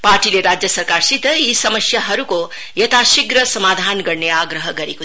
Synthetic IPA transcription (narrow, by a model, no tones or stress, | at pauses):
paːʈiːleɾaːd͡ʒjɐsɐɾkaːɾsit̪ɐiːsɐmɐsjɐɦɐɾuko | jɐt̪aːʃiɡɾɐsɐmaːd̪ʱaːnɡɐɳːɐjaːɡɾɐɦɐɡɐɾiku